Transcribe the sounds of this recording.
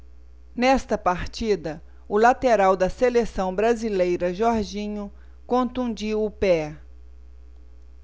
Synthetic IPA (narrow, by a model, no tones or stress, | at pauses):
nɛst̪ɐpaɾt͡ʃid̪ɐ | ʊlat̪eɾawd̪ɐselesɐ̃w̃bɾazilejɾɐʒɔɾʒĩɲʊ | kõnt̪ũd͡ʒiwʊpɛ